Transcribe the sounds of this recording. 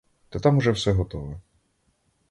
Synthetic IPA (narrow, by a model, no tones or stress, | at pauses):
t̪ɛt̪amʊʒɛwsɛɦɔt̪ɔʋɛ